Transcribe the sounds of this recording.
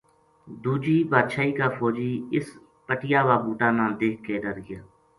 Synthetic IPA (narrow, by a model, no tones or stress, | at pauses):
d̪uːd͡ʒiːbaːt̪ʃaːiːkaːfʰɔːd͡ʒiːɪs | pəʈɪjaːʋaːbuːʈaːnãːld̪eːkʰkeːɾəɾɡɪjaː